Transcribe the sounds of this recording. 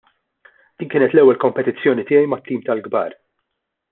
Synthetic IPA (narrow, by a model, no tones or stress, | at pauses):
d̪̥iːnkɪːnɛt̪lɛwːɛlkɔmpɛt̪ɪt͡sːjɔːnit̪ɪːjɛjmɐt̪ːiːmt̪ɐlɡbɐːɾ